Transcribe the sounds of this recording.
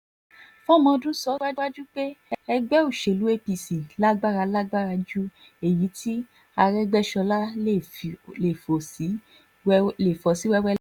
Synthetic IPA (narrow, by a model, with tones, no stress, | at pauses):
fɔ̃˦˨mɔ̃˧dũ˦sɔ˦wa˦wa˦d͡ʒu˦k͡pe˦ɛ˧ɡ͡bɛ˦o˦˨ʃe˨lu˨˦e˦pi˧si˨la˦ɡ͡ba˦ɾa˧la˦ɡ͡ba˦˨ɾa˧d͡ʒu˦ | e˨ji˨˦tʰi˦ | a˧ɾɛ˦ɡ͡bɛ˦ʃɔ˧la˦e˦˨le˨fo˨si˨˦ | le˨fɔ˨si˨˦wɛ˦wɛ˦